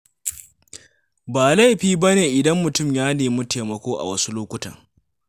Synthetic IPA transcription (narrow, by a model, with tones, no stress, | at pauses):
baː˨la˦jɸiː˦bɐ˦neː˨ʔɪ˨dɐ˦mːʊ˨tʊ˦˨mjaː˦neː˨mu˦teː˨mɐ˨kʷoː˦ʔa̰˨wɐ˦su˦loː˦kʷʊ˦tɐ̰˨ŋ